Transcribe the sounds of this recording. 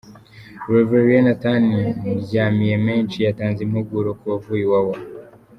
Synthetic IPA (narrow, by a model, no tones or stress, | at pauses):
ɾeveɾienataniɟaːmijemeːnt͡ʃijataːnzimhuɡuɾokuβavuːjiwawo